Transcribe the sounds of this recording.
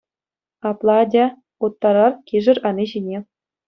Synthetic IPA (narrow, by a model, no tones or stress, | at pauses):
ɑplˠɑdʲæ | ut̪ːɑɾɑrkʲiʐɘ̆rʲɑnʲiʑinʲe